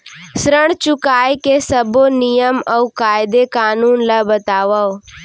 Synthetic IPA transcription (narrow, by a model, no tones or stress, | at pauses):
sɾəɽ̃t͡ʃʊkaːjkesəbonijəməukaːɪd̪ekaːnuːnləbət̪aːʋao